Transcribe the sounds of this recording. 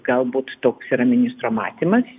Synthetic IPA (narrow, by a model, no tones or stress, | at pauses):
ɡɐlˠbuːt̪t̪oːksiːɾɐmʲɪnʲɪst̪ɾoːmɑ̰ːt̪ʲimɐs